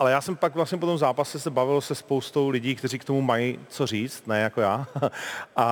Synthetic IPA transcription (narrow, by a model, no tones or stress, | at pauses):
ʔalɛjaːsɛmpakvlastɲɛp̬o̞t̪omzaːpasɛsɛbavɪlosɛspowst̪o̞wlɪɟiːkt̪ɛr̝iːkt̪o̞mumajit͡so̞riːt͡st̪nɛjako̞jaː | ʔa